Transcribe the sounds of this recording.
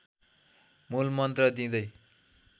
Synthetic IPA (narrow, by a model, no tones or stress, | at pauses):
mulmʌnt̪rʌd̪ĩd̪ʌj